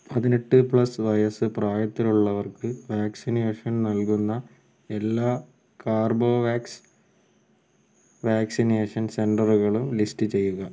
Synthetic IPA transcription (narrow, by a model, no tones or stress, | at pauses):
pɐðineʈːɨpɭɐsʋɐjɐsɨpraːjɐt̪ːiluɭːɐʋɐrkɨʋaːksineːʂɐnnɐlkunːɐ | e̞lːaː | kaːrbo̞ːʋaːks | ʋaːksineːʂɐnse̞ɳɖɐruɣɐɭumlistɨt͡ɕe̞jːuɣɐ